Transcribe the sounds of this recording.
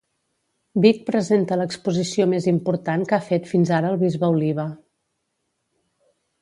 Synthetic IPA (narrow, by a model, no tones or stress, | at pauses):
bik̚pɾəzent̪ələkspuzisiomezimpuɾt̪aŋkafet̪finzaɾəːlˠβizβəuliβ̞ə